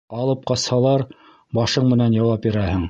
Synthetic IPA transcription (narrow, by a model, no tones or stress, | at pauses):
ɑlˠɤp̚qɑshɑlˠɑɾ | bɑʃɤɴmɘ̆nænjɑwɑp̚biɾæhɘŋ